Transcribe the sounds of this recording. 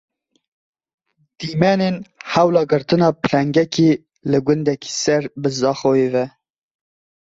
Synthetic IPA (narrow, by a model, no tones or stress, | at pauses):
d̪̥iːmɛnenhæwlɑːɡɨɾt̪ɨnɑːpʰɨlɛŋɡɛkʰiː | lɨɡʷʊnd̪ɛki̥ːsɛɾbɨzɑːxojeːvɛ